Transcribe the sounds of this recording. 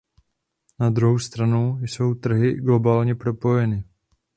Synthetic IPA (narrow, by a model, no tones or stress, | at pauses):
nad̪ɾuɦowst̪ɾanowjso̞wt̪r̩ɦɪɡlo̞baːlɲɛpɾo̞po̞jɛnɪ